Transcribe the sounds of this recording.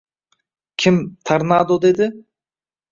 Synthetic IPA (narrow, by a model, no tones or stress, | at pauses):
kʲʰɪmt̪ʰaɾnɑd̪od̪ed̪ɪ